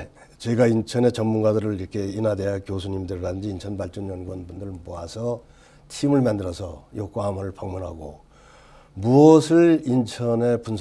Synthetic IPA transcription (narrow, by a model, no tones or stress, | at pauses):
t͡ɕe̞ɡaint͡ɕʰʌne̞t͡ɕʌnmunɡadɯɾɯɭiɾʌkʰe̞inadejakjosʰuɲimdɯɾɾadɯnd͡ʑiːnt͡ɕʰʌnbaɭt͡ɕ͈ʌnjʌnɡwʌnbundɯɭmoasʰʌ | tʰimɯɭmandɯɾʌsʰʌjok͈oɦamɯɭpʌŋmunɦaɡo | muʌsʰɯɭint͡ɕʰʌne̞punsʰ